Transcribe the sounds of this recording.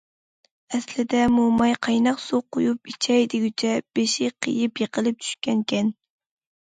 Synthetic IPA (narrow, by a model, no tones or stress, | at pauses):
ɛslɪd̪ɛmumɑjqʰɑjnɑqsoqːojupit͡ʃʰɛjd̪ɪɡʲyt͡ʃʰɛb̥eʃɪqʰə̰jɪpjeqəlˠɨp̚t͡ʃ̪ʰy̥ʃkʲɛnkʲʰɛn